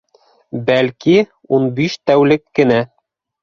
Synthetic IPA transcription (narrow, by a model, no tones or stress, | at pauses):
bælki | unbiʃt̪æwlɘkːɘ̆næ